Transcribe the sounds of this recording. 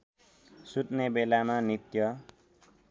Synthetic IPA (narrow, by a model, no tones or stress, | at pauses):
sut̪nebelamanit̪jʌ